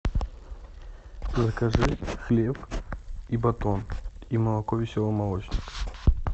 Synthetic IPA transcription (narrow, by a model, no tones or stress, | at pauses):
zɐkaʐɨxlʲep | ibɐt̪ɔnimɐlˠɐkɔvʲɪsʲɔlˠɨmɐlˠɔt͡ɕnʲɪk